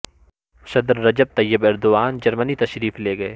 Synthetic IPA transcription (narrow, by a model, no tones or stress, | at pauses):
sɐd̪ɾːɐd͡ʒəb̚t̪ɐjːəbɪɾd̪ʊaːnd͡ʒɐɾmənit̪ɐʃɾiːfleːɡɐeː